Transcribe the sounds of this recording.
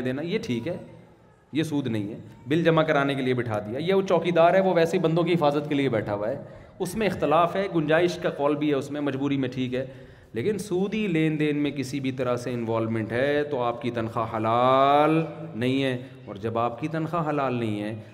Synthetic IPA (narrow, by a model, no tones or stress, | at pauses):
d̪eːnajeʈʰiːkɦɛː | jesuːd̪nɐɦĩɦɛːbɪld͡ʒɐmakɐɾaːnek̬eliebɪʈʰaːd̪ijajeot͡ʃɔːkid̪aːɾɦɛʋoʋɛːsebɐ̃nd̪õkiɦɪfaːzət̪keliebɛːʈʰaːʋaɦɛː | ʊsmẽɪxt̪ɪlaːfɦɛːɡʊnd͡ʒaːɪʃkaqɔːlbʱiɦɛʊsmẽmɐd͡ʒbuːɾimẽʈʰiːkɦɛː | leːkɪnsuːd̪ileːnd̪eːnmẽkɪsibʱit̪ɐɾaseɪnʋaːlmɛ̃ɳʈɦɛt̪oaːp̚kit̪ɐnxaɦɐlaːlnɐɦĩɦɛː | ɔ̰ːɾd͡ʒɐbaːpkit̪ɐnxaɦɐlaːlnɐɦĩɦɛː